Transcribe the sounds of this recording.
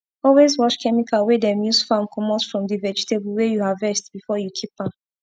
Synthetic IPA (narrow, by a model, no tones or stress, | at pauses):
ɔlwezwɔʃkɛmikʰalwedɛ̃mjusfãmkʰɔmɔsfɹɔ̃mdivɛd͡ʒitebulwejuhavɛstbifɔjukʰipãn